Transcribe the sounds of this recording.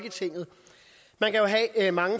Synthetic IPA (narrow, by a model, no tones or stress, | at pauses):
ɡ̥ət͡sʰe̝ŋ̰ð̩ˠ | mænkʰæjo̝ɦɛmɑ̈ŋə